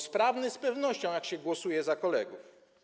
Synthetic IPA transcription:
spɾavnɘspɛvnɔɕt͡ɕɔ̃w̃jakɕɛɡwɔsujɛzakɔlɛɡuf

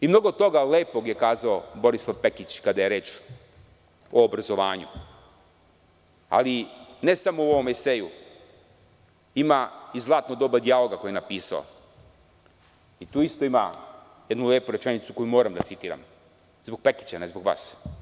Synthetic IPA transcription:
imno̞ɡod̪t̪o̞ɡaleːpo̞ɡje̞kaːzaobo̞ɾislˠaʋpe̞kit͡ɕkad̪aje̞ɾe̞ːt͡ʃ | oːbɾazo̞ʋaːɲṵ | a̰line̞samouoʋo̞meseju | imaizlˠaːt̪nod̪o̞bad̪ialoɡakojenapiːsa̰o̰ | it̪uːist̪o̞ima̰ | jed̪nuleːpuɾet͡ʃe̞nit̪su̥ko̞jumo̞ːɾamd̪a̰tsit̪iːɾa̰m | zboɡ̚pe̞ki̥t͡ɕanezbo̞ɡʋa̰ːs

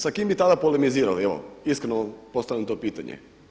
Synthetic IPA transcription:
sakimbit̪ad̪apolemiziːɾalieʋo̰iskɾenoampost̪aʋlʲamt̪o̞piːt̪aɲḛ

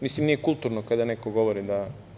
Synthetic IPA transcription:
mislimnijekult̪uɾnokad̪anekoɡo̞ʋoɾid̪a

